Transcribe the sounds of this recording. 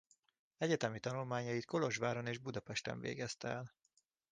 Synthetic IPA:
ɛɟɛt̪ɛmit̪ɒnulmaːɲɒjit̪ko̞lo̞ʒvaːɾo̞neːʒbud̪ɒpɛʃt̪ɛ̰ɱvḛːɡɛst̪ɛɛl

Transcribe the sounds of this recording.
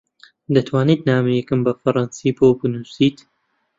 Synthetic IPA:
d̪ɐt̪ʰwaːnit̪naːmɨjɛkɨmbɐfɐɾˤɑnsiːpowbɨnuːsiːt̪

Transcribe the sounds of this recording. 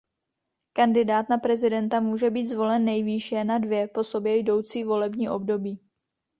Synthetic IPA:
kandɪdaːt̪napɾɛzɪdɛnt̪amuːʒɛbiːt̪zvo̞lɛnːɛjviːʃjɛnadvjɛpo̞so̞bjɛjdo̞wt͡siːvo̞lɛbɲiːʔo̞bdo̞biː

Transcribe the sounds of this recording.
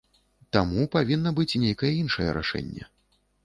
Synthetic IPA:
t̪amupavʲinːɐbɨt͡sʲnʲejkɐjɛinʂɐjɛ̰ɾa̰ʂɛ̰nʲːɛ̰

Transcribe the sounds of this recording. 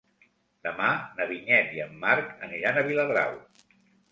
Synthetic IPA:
d̪əmanəβiɲɛt̪iəmːaɾkəniɾanəβiləðɾa̰w

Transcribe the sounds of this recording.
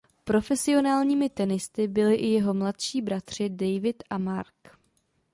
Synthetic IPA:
pɾo̞fɛsɪo̞naːlɲiːmɪt̪ɛnɪst̪ɪbɪlɪʔɪjɛɦo̞mlat̪ʃiːbɾat̪r̝̥ɪdɛjvɪt̪ʔamaɾk

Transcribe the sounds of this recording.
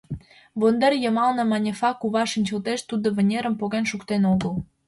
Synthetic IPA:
βond̪erjəmɑlnə̆mɑnʲefɑkuβɑʃənʲt͡ɕəlt̪eʃt̪ud̪oβə̆nʲeɾə̆mpoɣenʃukt̪enoɣəl

